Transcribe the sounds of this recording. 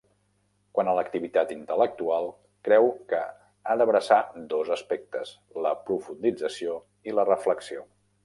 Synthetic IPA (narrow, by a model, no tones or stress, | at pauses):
kwanələkt̪iβit̪at̪int̪ələk̚t̪ualˠ | kɾɛwkə | ad̪əβɾəsad̪ozəspɛk̚t̪əs | ləpɾufund̪id͡zəsio | ilərəfləksio